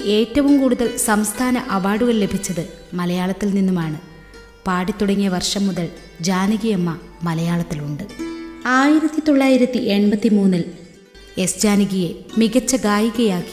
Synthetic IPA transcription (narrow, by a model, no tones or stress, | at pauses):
e̞ːtːɐʋumkuːɽuðɐɭsɐmst̪ʰaːnɐʔɐʋaːɽuɣɐɭle̞bʱit͡ɕːɐðɨmɐlɐjaːɭɐt̪ːilninːumaːɳɨ | paːɽit̪ːuɽɐŋːijɐʋɐrʂɐmːuðɐɭ | d͡ʑaːniɣijemːɐ | mɐlɐjaːɭɐt̪ːiluɳɖɨaːjiɾɐt̪ːit̪o̞ɭːaːjiɾɐt̪ːiʔeɳbɐt̪ːimuːnːil | e̞sd͡ʑaːniɣijemiɣɐt͡ɕːɐɡaːjiɣɐjaːkːi̥